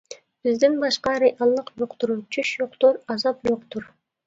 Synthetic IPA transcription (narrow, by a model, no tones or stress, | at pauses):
b̥izd̪ɪnbɑʃqɑɾeʔɑlˠːɯqjoqt̪uɾuːt͡ʃʰyʃjoqt̪oɾɑzɑpd͡ʒoqt̪uɾ